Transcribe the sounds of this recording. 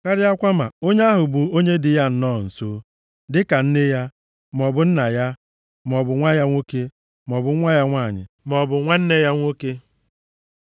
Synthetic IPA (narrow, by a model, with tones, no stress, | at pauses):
ka˦ɾɪ˦a˦kʷa˦ma̰˨o˦ɲe˦a˦ɦʊ˨bʊ˨o˦ɲe˦dɪ˨ja˦n̩˦nɔː˦˨n̩˨so˦ | dɪ˦ka˨n̩˦ne˦ja˦ | m˨ɔ˨bʊ˨n̩˦na˨ja˦ | m˨ɔ˨bʊ˨ŋʷa˦ja˦ŋʷo˦ke˦ | m˨ɔ˨bʊ˨˦ŋʷa˦ja˦ŋʷaː˦˨ɲɪ̰˨ | m˨ɔ˨bʊ˨ŋʷa˦n̩˦ne˦ja˦ŋʷo˦ke˦